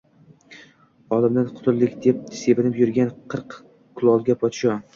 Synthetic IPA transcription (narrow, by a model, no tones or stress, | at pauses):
ɒlˠɪmd̪anqʰʊ̥t̪ʰʊlːɪkʲd̪ep̚se̞bɪnɪpjʊɾɡʲanqʰɨɾq | kʰʊlˠɒlˠɡʲapʰɒt̪ʃɒ